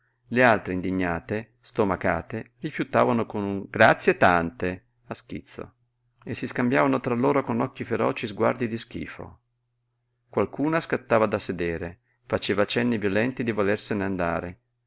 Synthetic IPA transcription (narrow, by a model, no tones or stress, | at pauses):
lealt̪ɾeind̪iɲːaːt̪e | st̪omaka̰ːt̪erifjut̪aːvanokonɡɾat̪sːjet̪ant̪e | askḭt̪sːo̰ | esːiskambjaːvanot̪ɾalːoːɾokonɔkːifeɾɔ̰ːt͡ʃizɡwa̰rd̪id̪isk̟ḭːfo̰ | kwalkuːnaskat̪ːaːvad̪ased̪eːɾe | fat͡ʃeːvat͡ʃɛnːivjolɛnt̪id̪ivolerseneand̪a̰ːɾe